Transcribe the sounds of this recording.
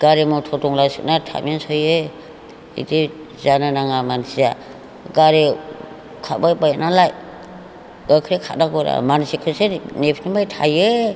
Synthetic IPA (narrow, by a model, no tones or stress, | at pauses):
ɡ̥aɾemɔtʰɔtɔŋlajsɯnatʰa̰mensɔje | ḭdi | zananaŋamansija | ɡaɾe | kʰabajbajnalaj | akʰɾekʰa̰naɡɔɾa̰mansikʰɯsenepʰnimajtʰaje